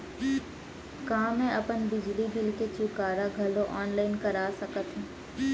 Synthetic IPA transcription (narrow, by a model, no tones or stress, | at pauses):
kãːmẽɐpənbɪd͡ʒlid̪ɪlket͡ʃukaːɾaɡʱɐloʔɔːnlaːɪnkɐɾaːsɐkət̪ɦɛ̃ː